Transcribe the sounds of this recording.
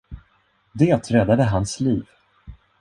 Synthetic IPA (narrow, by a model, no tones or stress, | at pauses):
d̪eːt̪ɾɛd̪ad̪əɦansliːv